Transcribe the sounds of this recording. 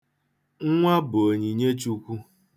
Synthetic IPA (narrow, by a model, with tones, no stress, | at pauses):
ŋ̩˦ŋʷa˦bʊ˨o˨ɲi˨ɲe˦t͡ʃu˦kʷu˦